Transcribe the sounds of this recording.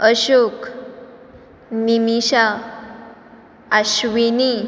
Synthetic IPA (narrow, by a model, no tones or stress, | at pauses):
əɕuk | nimiɕa | ɕʋini